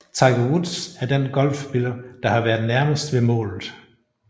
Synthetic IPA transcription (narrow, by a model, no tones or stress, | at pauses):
t͡sʰɑ̈ɪɡ̥oʁud̥sæɐd̥enɡ̥ɒ̽l̰fb̥elɐd̥ɑ̈hɑ̈ʋæːɐð̩ˠnæɐməsd̥ʋe̝mɔ̰̽ːlð̩ˠ